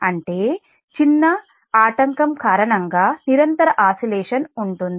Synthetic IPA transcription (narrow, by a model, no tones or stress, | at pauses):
ɐɳʈeː | t͡ʃinːɐ | aːʈɐŋkɐmkaːɾɐɳɐŋɡaːniɾɐnt̪ɐɾɐʔaːsilɛːʂɐnuɳʈund̪ii